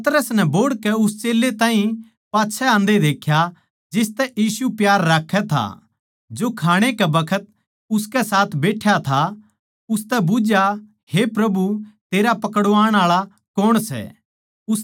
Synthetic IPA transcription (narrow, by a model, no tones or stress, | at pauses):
ɐt̪ɾəsnɛboːɽkɛʊst͡ʃeːlːet̪ãːɦĩ | paːtːʃʰɛãːnd̪ed̪eːkʰja | d͡ʒɪst̪ɛʔjiːsupjaːɾːaːkʰːɛt̪ʰa̰ | d͡ʒoːkʰaːɽ̃ekɛbɐkʰət̪̚ | ʊskɛsaːt̪ʰbeːʈʰjat̪ʰa | ʊst̪ɛbʊd͡ʒja | hepɾɐbut̪eːɾapɐkəɽʋaːɽ̃aːɭa | kɔɽ̃sɛ̰ | ʊs